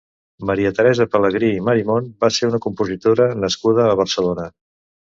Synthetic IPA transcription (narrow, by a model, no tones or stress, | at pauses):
məɾiət̪əɾɛzəpələɣɾiːməɾimonbaseɾunəkumpuzit̪oɾənəskuð̞əːβ̞ərsəlonə